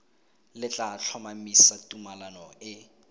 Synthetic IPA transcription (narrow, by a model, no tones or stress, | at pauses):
lɪt͡ɬʼaɬʰɔmamisatʼumalanɔɪ